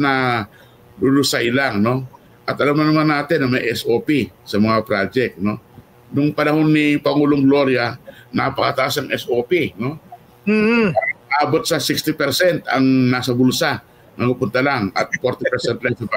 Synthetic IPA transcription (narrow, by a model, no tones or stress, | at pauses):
nɐ | dʊlʊsajlaŋno̞ | ʔɐt̪̚ʔɐlamɐnɐmanːaːt̪ɪnɐmɐjʔɛsʔoːpisɐmɐŋapɾad͡ʒɛk̚t̪̚no̞ | nʊŋpɐnɐho̞nːipɐŋuːloŋɡlo̞ɾjanɐpɐkɐt̪ɐʔasɐŋʔɛsʔopino̞ | aʔaːbot̪̚sɐsikst̪ɪpɛɾsɛnt̪ɐŋnasɐbʊlsa | nɐkupʊnt̪alaŋʔɐ̰t̪̚foɾt̪ɪpɛɾsɛnt̪laŋsɐ